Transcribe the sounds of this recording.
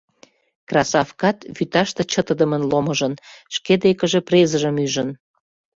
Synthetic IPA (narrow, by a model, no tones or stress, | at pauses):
krɑsɑfkɑt̪βyt̪ɑʃt̪ĕt͡ɕət̪əd̪əmənloməʒənʃked̪ekəʒeprezəʒəmyʒən